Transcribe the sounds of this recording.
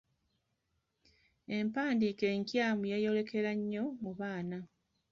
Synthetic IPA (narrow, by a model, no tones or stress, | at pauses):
e̞mpaːndiːke̞ːŋkjaːmujejo̞le̞kʰe̞ɾaɲːo̞muβaːna